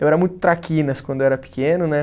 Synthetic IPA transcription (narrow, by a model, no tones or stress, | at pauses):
ewɛɾɐmũj̃t̪ʊ̥t̪ɾakĩnɐskwɐ̃nd̪oɛɾɐpi̥kẽnʊnɛ